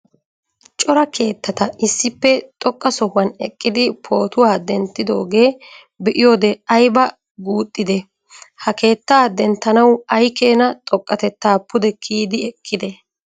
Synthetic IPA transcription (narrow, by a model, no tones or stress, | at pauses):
t͡ʃʼɔɾɐkʰe̞ːt̪ːɐt̪ɐɪsːɪpːɛt̪ʼɔkʼːɐsɔhʊwɐnɛkʼːɪd̪ɪpʰo̞ːt̪ʊwaːd̪ɛnt̪ːɪd̪o̞̰ːɡe̞ː | bɛʔɪjo̞ːd̪ɛɐjbɐ | ɡuːt̪ʼːɪd̪ɛ | hɐke̞ːt̪ːaːd̪ɛnt̪ːɐnɐwɐjke̞ːnɐt̪ʼɔkʼːɐt̪ɛt̪ːaːpːʊd̪ɛkʰiːd̪ɪɛkʼːɪd̪ɛ